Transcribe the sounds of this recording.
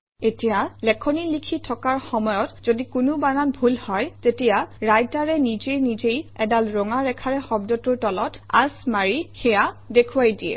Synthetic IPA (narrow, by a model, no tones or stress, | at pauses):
etijalɛkʰɔnilikʰitʰɔkaɹxɔmɔjɔtz̥odikʊnʊbanatbʱulhɔjtetijaɹajtaɹɛnizejnizejɛdalɹɔŋaɹɛkʰaɹɛxɔbdɔtʊɹtɔlɔta̰smaɹixɛjadekʰʊwajdijɛ̰